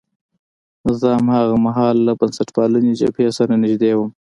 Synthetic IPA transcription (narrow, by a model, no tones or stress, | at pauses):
nɪzɑːmhaɣamaɦɑːlːabansaʈpɑluned͡ʒa̰pʰesaɾanɪʒd̪ewəm